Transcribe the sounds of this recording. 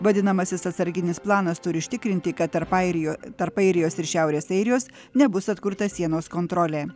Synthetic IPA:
ʋɐd̪ʲɪnɐmɐsʲɪsɐt̪sɐɾʲɡʲɪnʲɪsplˠɑːnɐst̪ʊɾʲɪʊʃʲt̪ʲɪkɾʲɪnʲt̪ʲɪkɐt̪pɐot̪ɐɾpɐɪɾʲɪjoːsɪɾʃʲæˑʊɾʲeːsɐɪɾʲɪjoːs | nʲɛbʊsɐt̪kʊɾt̪ɐsʲiɛnoːskoːnt̪ɾoːlʲeː

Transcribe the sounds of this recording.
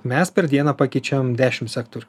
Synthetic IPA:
mʲɛspʲɛɾd̪ʲiɛnɐːpɑkʲɛɪt͡ʃʲɛʋmd̪ʲæːʃʲɪmsʲɛkt̪oɾʲu

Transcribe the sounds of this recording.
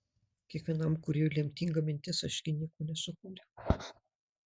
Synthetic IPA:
kʲiɛkʋʲiɛnɐmkʊɾʲulʲiɛmʲt̪ʲiŋɡɐmʲɪnʲt̪ʲɪsɐʃʲɡʲɪnʲiɛkoːnʲɛsʊkuːɾʲɛ

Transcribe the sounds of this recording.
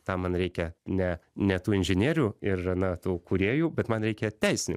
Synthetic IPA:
t̪ɑːmɐnɾʲɛɪkʲɛnʲɛnʲɛt̪uːɪnʲʒʲɪnʲiːɾʲuːɪrɐnɐt̪uːkuːɾʲiːjuːbʲɛt̪mɐnɾʲɛɪkʲɛt̪ʲɛɪsʲɪnʲʊ

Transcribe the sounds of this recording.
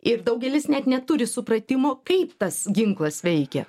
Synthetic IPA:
ɪɾd̪ɐʊɡʲɛlʲɪsnʲɛt̪nʲɛt̪ʊɾʲɪsʊpɾɐt̪ʲɪmoːkɐɪpt̪ɐsɡʲɪŋklˠɐsʋʲɛɪkʲɛ̰

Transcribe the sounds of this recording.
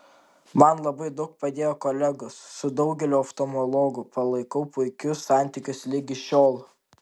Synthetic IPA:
mɐnlˠɐbɐɪd̪ɐʊk̚pɐd̪ʲeːjoːkoːlʲæɡʊsːʊd̪ɒʊɡʲɛlʲoːɐft̪oːmolˠoːɡʊpɐlˠɐɪkɐʊpʊɪkʲʊsːɑˑnʲt̪ʲɪkʲʊslʲɪɡʲɪʃʲoːlˠ

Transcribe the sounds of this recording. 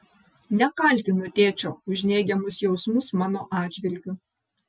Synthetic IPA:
nʲɛkɐlʲt̪ʲɪnʊt̪ʲeːt͡ʃʲoːʊʒʲnʲɛːɡʲɛmʊsjɛʊsmʊsmɑːnoːʔɑːd̪ʲd͡ʒʲʋʲɪlʲɡʲʊ

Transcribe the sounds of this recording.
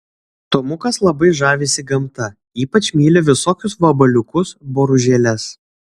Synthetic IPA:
t̪omʊkɐslˠɐbɐɪʒɑːʋʲeːsʲɪɡɐmt̪ɐ | iːpɐt͡ʃʲmʲiːlʲeʋʲɪsoːkʲʊsʋɐbɐlʲʊkʊsboːɾʊʒʲeːlʲɛs

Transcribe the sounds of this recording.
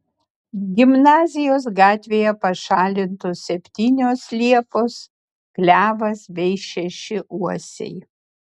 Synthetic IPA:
ɡʲɪmnɑːzʲɪjoːs̬ɡɑːt̪ʲʋʲeːjɛpɐʃɑːlʲɪnt̪osʲɛpʲt̪ʲiːnʲoːslʲiɛpoːs | klʲæːʋɐsbʲɛɪʃʲɛʃʲɪʔuɔsʲɛ̰ɪ

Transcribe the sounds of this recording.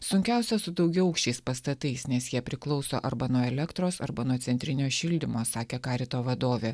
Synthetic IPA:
sʊŋʲkʲæˑʊsʲɛsʊd̪ɒʊɡʲɛʊɐʊkʃʲt͡ʃʲɛɪspɐst̪ɐt̪ɐɪsnʲɛsjiɛpʲɾʲɪklˠɒʊso̰ːʔɐɾbɐnuɔɛlʲɛkt̪ɾoːsɐɾbɐnuɔt̪sʲɛnʲt̪ʲɾʲɪnʲoːʃʲɪlʲd̪ʲɪmoːsɑːkʲeːkɑːɾʲɪt̪oːʋɐd̪oːʋʲeː

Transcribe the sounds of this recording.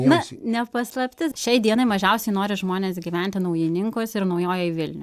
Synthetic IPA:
nʊnʲɛpɐslˠɐpʲt̪ʲɪʃʲɛɪd̪ʲiɛnɐɪmɐʒʲɛʊsʲɛɪnoːɾʲɪʒmoːnʲeːsɡʲiːʋʲɛnʲt̪ʲɪnɐʊjɪnʲɪŋkosɪɾnɐʊjoːjoːʋʲɪlʲnʲʊ

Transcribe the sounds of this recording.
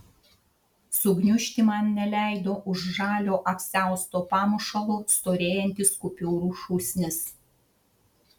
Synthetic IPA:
sʊɡnʲʊʃʲt̪ʲiˑmɐnnʲɛlʲæˑɪd̪oːʔʊʒʒɑːlʲoːʔɐkʲsʲæˑʊst̪oːpɑːmʊʃɐlˠust̪oːɾʲeːjɛnʲt̪ʲiskʊpʲuːɾuːʃuːsʲnʲɪs

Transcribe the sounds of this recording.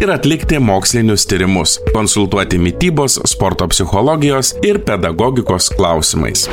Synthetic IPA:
ɪɾɐt̪ʲlʲɪkt̪ʲɪmoːksʲlʲɪnʲʊst̪ʲiːɾʲɪmʊskɔnsʊlˠt̪uɔt̪ʲɪmʲɪt̪ʲiːboːsspɔɾt̪oːpʲsʲɪxɔlˠɔːɡʲɪjoːsɪɾpʲɛd̪ɐɡɔɡʲɪkoːsklˠɑˑʊsʲɪmɐ̰ɪs

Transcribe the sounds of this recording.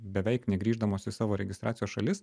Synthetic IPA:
bʲɛʋʲɛɪknʲɛɡɾʲiːʒd̪ɐmoːsɪsɑːʋoːɾʲɛɡʲɪst̪ɾɑ̰ːt̪ʲɪjoːsʃɐlʲɪs

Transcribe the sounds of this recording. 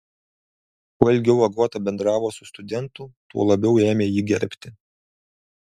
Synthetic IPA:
puːɛlʲɡʲɛʊɐɡuɔt̪ɐbʲɛnd̪ɾɑːʋoːsʊst̪ʊd̪ʲɛnt̪ʊt̪uɔlˠɐbʲɛʊeːmʲeːjiːɡʲɛɾʲpʲt̪ʲɪ

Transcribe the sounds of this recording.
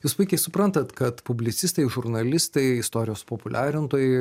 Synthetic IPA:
juːspʊɪkʲɛɪsʊpɾɐnt̪ɐt̪kɐt̪pʊbʲlʲɪt̪sʲɪst̪ɐɪʒʊɾnɐlʲɪst̪ɐɪɪst̪oːɾʲɪjoːspoːpʊlʲʔæːɾʲɪnt̪oːjɛɪ

